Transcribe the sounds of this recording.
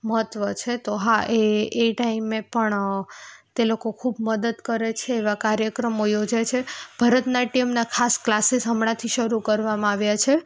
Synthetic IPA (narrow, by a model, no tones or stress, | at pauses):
məɦət̪ʋət͡ʃʰet̪oɦaeːʈaimepəɳ | t̪elokokʰubməd̪əd̪kəɾet͡ʃʰeːʋakaɾjəkɾəmojod͡ʒajt͡ʃʰeb̥ʱaɾət̪naʈimnakʰasklasisɦəmɳat̪ʰiʃəɾukəɾʋamãaʋjat͡ʃʰe